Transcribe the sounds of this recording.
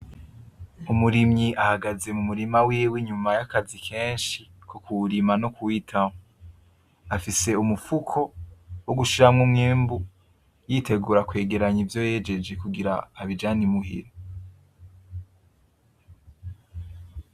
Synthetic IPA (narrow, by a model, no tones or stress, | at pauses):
umuɾimɲiʔahaɡaze̞mumuɾimawiːwiɲumajakazikʰeːnʃikʰokuɾimanokʰuwitʰamo | afise̞umufukʰo̞woɡuʃiɾamŋumŋeːmbu | jiːtʰe̞ɡuːɾakwe̞ːɡe̞ɾaɲivjo̞je̞ːd͡ʒe̞d͡ʒekuɡiɾa̰ːβid͡ʒaːnimuhḭɾo